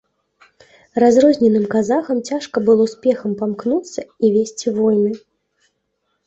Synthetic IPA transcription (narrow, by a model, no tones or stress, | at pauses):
razrɔzʲnʲɛnɨmkazaxɐmt͡sʲaʂkɐbɨlˠɔwsʲpʲɛxɐmpamknut̪sːɐivʲesʲt͡sʲivɔjnɨ